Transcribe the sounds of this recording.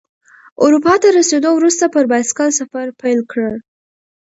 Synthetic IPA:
ʊɾupɑt̪aɾased̪owɾust̪apəɾbaskɑlsafaɾpajlkɽəl

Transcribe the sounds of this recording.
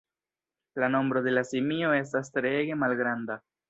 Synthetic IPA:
lano̞mbɾo̞d̪e̞lasimio̞e̞s̬tastɾeɡe̞malɡɾand̪a

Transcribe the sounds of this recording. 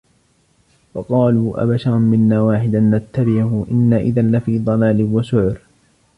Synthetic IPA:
wɑqɑːluːʔa̰baʃɑɾˤnmɪnːaːwaːħɪd̪anːat̪ːabɪʕhʊʔɪnːaːʔɪðanlafiːd̪ˤɑlaːlɪwaʃʊʕɾ

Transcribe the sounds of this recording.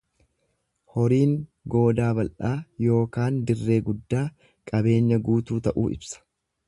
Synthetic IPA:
hɔɾiːŋɡo̞ːd̪aːbɐlʔaːjo̞ːkaːnd̪ɪrːe̞ːɡʊd̪ːaː | kʼɐbe̞ːɲːɐɡuːt̪uːt̪ɐʔṵːɪ̰bsɐ̥

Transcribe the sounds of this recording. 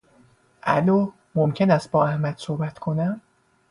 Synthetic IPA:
ʔæ̰loː | momcʰe̞næst̪̚bɒːæhmæd̪̥so̞hbæt̪ʰkʰo̞næm

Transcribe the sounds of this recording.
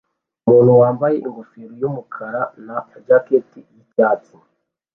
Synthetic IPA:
umuːn̤huwaːmbajeʔiŋɡofeɾojomukʰaɾanaːd͡ʒaketijicaːt͡si

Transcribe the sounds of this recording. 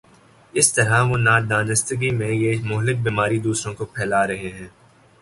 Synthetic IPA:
ɪst̪ɐɾaʋonaːd̪aːnɪst̪əɡimẽjemʊɦlɪk̚biːmaːɾid̪uːsɾõkopʰɛːlaːɾɐɦeɦɛ̃ː

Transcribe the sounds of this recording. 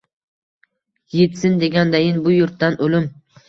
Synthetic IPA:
je̞t̪sɪnd̪e̞ɡʲand̪ajɪnbʊjʊɾt̪ːanolʊm

